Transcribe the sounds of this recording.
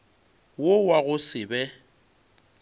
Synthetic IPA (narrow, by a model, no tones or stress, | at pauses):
wowaɣʊsɪbɛ